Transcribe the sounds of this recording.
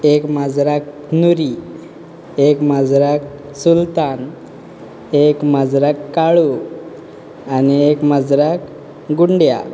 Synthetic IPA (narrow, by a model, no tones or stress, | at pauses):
ekmad͡zɾak | nuɾi | ekmad͡zɾak̚ | sult̪an | ekmad͡zɾakːaɭu | aniekmad͡zɾak | ɡuɳɖja̰